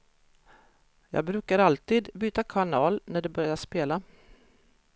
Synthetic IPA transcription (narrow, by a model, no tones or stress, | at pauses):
jɑ̰ːɡ̚bɾʉ̟ːkaɾalt̪iːd̪byːt̪akʰaɳɑːlnæɖɛbœɾjaʂpeːla